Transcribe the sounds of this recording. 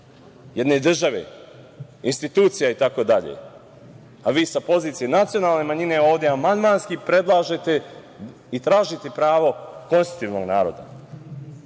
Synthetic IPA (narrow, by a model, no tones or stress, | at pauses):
jed̪ne̞d̪r̩ʒaʋḛ | inst̪it̪uːt̪sijait̪ako̞d̪aʎḛ | aʋiːsapo̞ziːt̪sijenat̪sijo̞naːlˠne̞maɲine̞o̞ːʋd̪jeamand̪manskipɾe̞d̪lˠaːʒe̞t̪e̞ | it̪ɾaːʒit̪e̞pɾaːʋo̞ko̞nst̪u̥t̪iːʋno̞ɡnaːɾo̞̰d̪a̰